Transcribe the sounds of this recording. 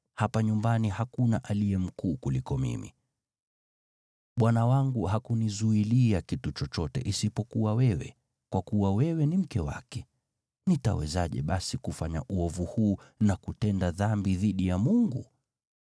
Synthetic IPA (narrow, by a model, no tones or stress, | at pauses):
hapaɲumbanihakunaʔaliɛm̩kuːkulikɔmḭmḭ | ɓwanawaŋɡuɦakunizuiliakitut͡ʃɔt͡ʃɔtɛ̰ʔisipɔkuwawɛwɛ̰ | kwʔakuwawɛwɛnim̩kɛwa̰kɛ | nita̰wɛ̰zaʄɛ̰ɓasikufaɲa̰ʔuɔvuhuːnakutɛndaðambiðiɗijamuŋɡu